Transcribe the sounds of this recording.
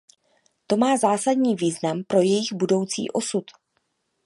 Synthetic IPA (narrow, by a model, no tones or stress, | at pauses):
t̪o̞maːzaːsadɲiːviːznampɾo̞jɛjɪɣbudo̞wt͡sḭːʔo̞sut̪